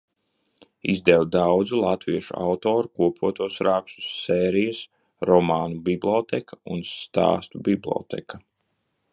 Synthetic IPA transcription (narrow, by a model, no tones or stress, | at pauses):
izd̪ɛwd̪awd̪zulˠat̪viɛʃṵa̰wt̪ɔːɾukuɔpuɔt̪uɔsɾaːksu̥sːɛːɾijas | ɾɔmaːnubiblʲˠot̪ɛkʰaunst̪a̰ːst̪ubiblʲo̰ːt̪ɛ̰ka